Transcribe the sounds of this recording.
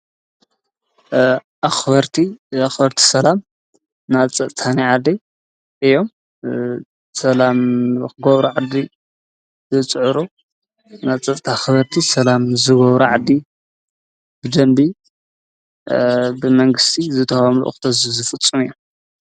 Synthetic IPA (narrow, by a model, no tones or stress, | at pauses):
ʔaxbɐɾt̪ʰiaxbɐɾt̪ʰi̥sɐlam | naβt͡sʼɐt̪ʼt̪ʰaniʕad̪i | ʔɨjːo̞m | sɐlamxɨɡoβɾuʕad̪ːi | zɨt͡sʼɨʕɨɾu | naβt͡sʼɐt̪ʼt̪ʰaxβɐɾt̪ʰisɐlamzɨɡoβɾuʕad̪i | bɨd̪ɐmbi | bɨmɐŋɡɨst̪ʰizɨt̪ʰɐfamlṵʔxt̪ʰɐzzɨfɨt͡sʼːumɨjːo